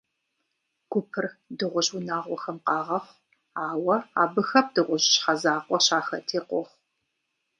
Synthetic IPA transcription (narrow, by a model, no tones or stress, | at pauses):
ɡ̥ʷʊpʰɨrdɨʁʷʊʑwunaːʁʷɔxɐmqɑːʁɐχʷ | aːwɐa̰ːbɨxɐp̚d̥ɨʁʷʊʑɕħɐzaːqʷʼɔɕaːxɐtʰeːqʷɔχʷ